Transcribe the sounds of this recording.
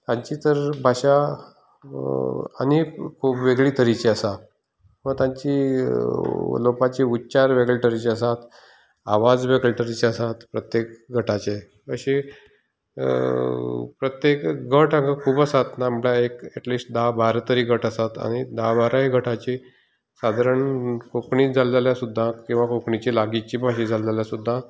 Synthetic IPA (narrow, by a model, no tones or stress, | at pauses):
t̪ãɲt͡ɕiːt̪əɾbʱaɕa | a̰ñikʰubʋeɡɭiːt̪əɾit͡ɕeəsa | mət̪ãɲt͡ɕiː | lopat͡ɕiut̪ːt͡ɕaɾʋeɡəlʈəɾit͡ɕeəsat̪ | aʋad͡zʋeɡəlʈəɾit͡ɕeəsat̪pɾət̪jekɡʱəʈʰat͡ɕe | əɕe | pɾət̪jekɡʱəʈaɡakʰuːbəsat̪naːmljaekɛʈliːsʈ̚d̪abaɾt̪əɾiːɡʱəʈəsat̪a̰ɽ̃id̪abaɾaɦiɡʱəʈʰat͡ɕiː | sad̪ʱaɾəɳkokɳiːd͡zald͡zaljasud̪ʱːakĩw̃ʋakokɳit͡ɕilaɡit͡ɕiːpaɕid͡zald͡zaljasud̪ʱːa